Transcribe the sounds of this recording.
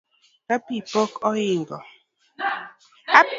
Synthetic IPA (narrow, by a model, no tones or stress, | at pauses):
kapipɔkɔjiŋɡɔ̰ | a